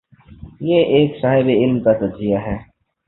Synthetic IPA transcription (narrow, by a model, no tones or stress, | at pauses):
jeʔeːksaːɦɪbeɪlmkat̪ɐɾzijaɦɛː